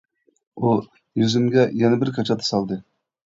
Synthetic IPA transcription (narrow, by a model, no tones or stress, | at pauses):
u | jøzɪmɡʲɛjɛnɛbɪɾkʰɑt͡ʃʰɑt̪ʰːə̥sɑlˠd̪ɨ